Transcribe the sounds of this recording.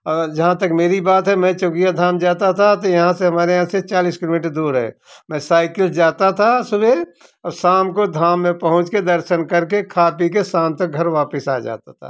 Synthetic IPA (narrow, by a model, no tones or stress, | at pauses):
ɐd͡ʒɐɦãt̪ɐkmeːɾibaːt̪ɦɛmɛ̃t͡ʃoːkijad̪ʱaːmd͡ʒaːt̪at̪ʰat̪ojɐɦãseɦɐmaːɾeɦãset͡ʃaːliːskɪloːmiːʈɾd̪uːɾɦɛ̰ː | mɛ̃ːsaːɪkɪld͡ʒaːt̪at̪ʰasʊbe | saːmkod̪ʱaːmːẽpɐɦʊ̃t͡ʃked̪ɐɾʃənkɐɾkekʰaːpikesaːmt̪ɐk̚ɡʱɐɾʋaːpɪsaːd͡ʒa̰ːt̪at̪ʰa̰ː